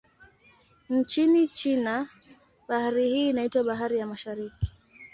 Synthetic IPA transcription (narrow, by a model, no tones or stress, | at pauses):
n̩t͡ʃinit͡ʃina | ɓahaɾihiːnaitwaɓaɦaɾijamaʃaɾiki̥